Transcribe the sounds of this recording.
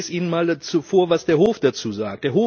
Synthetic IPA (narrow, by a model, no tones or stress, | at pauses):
siːnənmaːldat͡sufoːɐvasd̥eːɐhoːfd̥at͡suːza̰ːktd̥eːɐɦoː